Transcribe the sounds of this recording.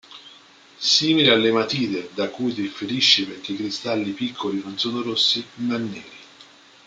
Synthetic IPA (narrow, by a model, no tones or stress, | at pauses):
siːmilealːemat̪iːd̪ed̪akːujt̪ifeɾiʃːipeɾk̟ːeikɾist̪alːipikʰːolinonsoːnoɾosːimanːeːɾi